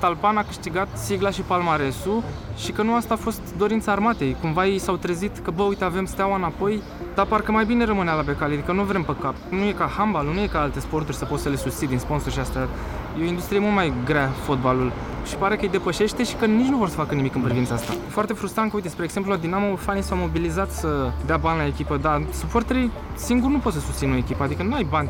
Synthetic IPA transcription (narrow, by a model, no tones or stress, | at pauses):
t̪alpanakɨʃt̪iɡat̪siɡlaʃipalmaɾe̞su | ʃikənuast̪aːfo̞st̪d̪o̞ɾint̪səarmat̪e̞jkumvajejsawt̪ɾezit̪kəbəujt̪e̞ave̞mst̪eawaɨnapo̞j | d̪̥aparkəmajbine̞rəmɨnealabe̞kalead̪ikənuvɾe̞mpəkapnuje̞kahambalunuje̞kaalt̪e̞spo̞rt̪urʲsəpo̞t̪səle̞sust̪sid̪inspo̞nso̞rʃiast̪eat̪ | jeoind̪ust̪ɾiemult̪majɡɾeafo̞t̪̚balul | ʃi̥paɾe̞kəɨjd̪e̞pəʃe̞ʃt̪e̞ʃi̥kənit͡ʃnuvo̞rsə̥fakənimikɨnpɾivint̪səast̪ajefoart̪e̞fɾust̪ɾankəujt̪espɾeːɡ̥se̞mplulad̪inamofanisawmo̞bilizat̪səd̪eabanʲlae̞kʲipəd̪asupo̞rt̪eɾi | siŋɡurnupot̪səsust̪sino̞ekʲipəad̪ikənuajbanʲ